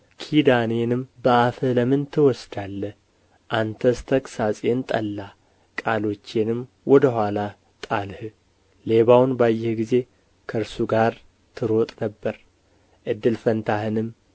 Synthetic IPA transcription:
kʰid̪ane̞nɨmbəʔafələmɨnt̪ʰɨwɔsd̪alːə | ʔant̪ʰəst̪ʰəkʼsasʼe̞nt̪ʼə̰lːa | kʼalo̞t͡ʃːenɨm | wɔd̪əɦʷala | t̪ʼalhɨ | le̞βawnbajːɪhɡize̞ | kʰəɾsuɡaɾ | t̪ʰɨɾo̞t̪ʼnəbːəɾ | ʔɨd̪ːɨlfənt̪ʰahɨnɨm

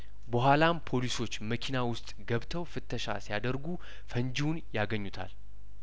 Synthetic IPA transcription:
bəɦʷalampʰo̞liso̞t͡ʃːməkʰinawʊst̪ʼɡəβt̪ʰəwfɨt̪ʰːəʃa̰sijad̪əɾɡu | fənd͡ʒiwunjaɡəɲːut̪ʰa̰l

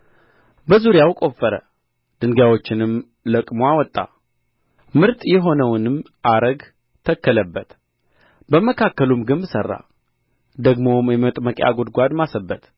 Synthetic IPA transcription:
bəzuɾjawkʼo̞fːəɾə̰ | d̪̥ɨŋɡawo̞t͡ʃːɪnɨm | ləkʼmoawɔt̪ʼːa̰ | mɨɾt̪ʼjɛɦo̞nəwnɨm | ʔaɾəɡ | t̪ʰəkːələbːət̪ | bəməkʰakːəlumɡɨnbɨsərːa̰ | d̪əɡmo̞mjɛmət̪ʼməkʼja̰ɡod̪ɡʷad̪masəbːət̪

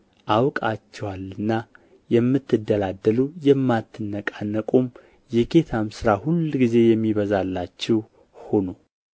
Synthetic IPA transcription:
ʔawkʼat͡ʃːɛwalɨnːa | jɛmːɨt̪ʰːɨd̪ːəlad̪ːəlujɛmːat̪ʰːɨnːəkʼanːəkʼum | jɛɡe̞t̪ʰamsɨɾahulɡize̞jɛmːiβəzalːat͡ʃːɛw | ho̞no

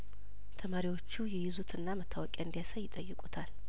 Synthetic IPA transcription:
t̪ʰəmaɾiwo̞t͡ʃːujɛjɪzut̪ʰɨnːamət̪ʰːawɔkʼɛɨnd̪ijasajɪt̪ʼəjːɨkʼut̪ʰal

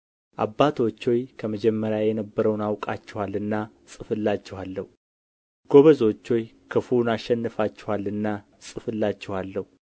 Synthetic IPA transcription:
ʔa̰bːat̪ʰo̞t͡ʃːo̞jkʰəməd͡ʒɛmːəɾjajɛnəbːəɾəwnawkʼat͡ʃːɛwalːɨnːa | sʼɨfɨlːat͡ʃːɛhalːəhu | ɡ̥o̞βəzo̞t͡ʃːo̞j | kʰɨfunaʃːɛnːɨfat͡ʃːɛ̥walɨnːa | sʼɨfɨlːat͡ʃːɛwalːəhu

